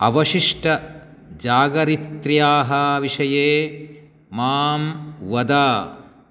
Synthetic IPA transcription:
ɐ̰ʋɐʂiʂʈɐ | d͡ʒaːɡɐɾit̪ɾjaːɦɐʋiʂɐjeː | maːmʋɐd̪aː

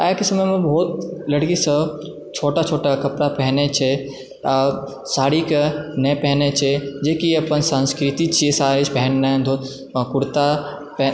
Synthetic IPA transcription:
aːjkesɐməmẽbʱɔːt̪lɐɽkisə̃ | t͡ʃʰoːʈat͡ʃʰoːʈakɐpɾapɛɦnet͡ʃʰe | a | saːɾikenepɛɦnet͡ʃʰed͡ʒeːkiɐpənsãnskɾɪt̪it͡ʃʰiesaːɾet͡ʃpɛɦnːãnd̪ʱo | kʊɽt̪a | p

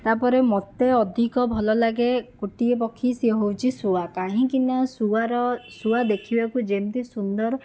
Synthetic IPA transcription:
t̪apɔɾemɔt̪eɔd̪ʱikɔbʱɔlɔlaɡekuʈiepɔkʰːisiɦowt͡ʃʰisuakaɦĩkinɔsuaɾɔsuad̪ekʰibakud͡ʒemt̪isund̪ɔɾ

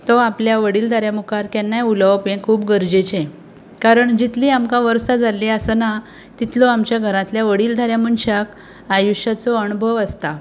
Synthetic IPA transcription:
t̪ɔapljaʋəɽiːld̪ʱaɾjamukaɾkɛnːajuləwpẽkʰuːpɡəɾd͡ʑet͡ɕẽ | kaɾəɳd͡ʑit̪liːamkãʋəɾsad͡zaleəsəna | t̪it̪lɔamt͡ɕjaɡʱəɾãt̪ljaʋəɽiːld̪ʱaɾjamuɳɕak | ajuɕjat͡sɔəñubʱəʋəst̪a

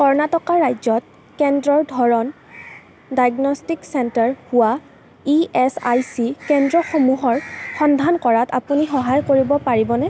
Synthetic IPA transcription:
kɔɹnatɔkaɹajzɔt̚ | kɛndɹɔɹdʱɔɹɔn | dajɡnɔstiksɛntaɹhʊwa | iɛsa̰jsikɛndɹɔxomuɦɔɹxɔnd̪ʱankɔɹata̰punixɔɦajkoɹibɔpaɹibɔnɛ

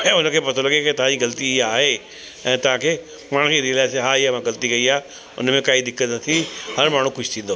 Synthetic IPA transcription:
ɛ̃ːʊnkʰeːpɐt̪ʰolɐɡeket̪ɐãd͡ʑiɣɐlət̪iaːɦe | ɛ̃ːt̪ɐʋ̤ãkʰeː | maːɽ̤̃kiɾilaːseɦaːiɦaʋãɡɐlət̪ikɐiaː | ʊ̰nmẽkaːid̪ɪkːət̪nɐt̪ʰihɐɾmaːɳ̤ũkʊʃʰt̪ʰĩːn̆d̪oː

